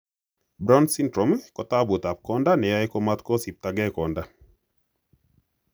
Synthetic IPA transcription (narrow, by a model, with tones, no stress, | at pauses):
bɾa˦nsi˦ndɾɔ˨m˦kɔ˨ta˦bu˨ta˨p̚kɔ˦nda˦nɛ˨ja˦jkɔ˦ma˦tkɔ˦si˨p̚ta˨ɡɛ˦kɔ˨nda˦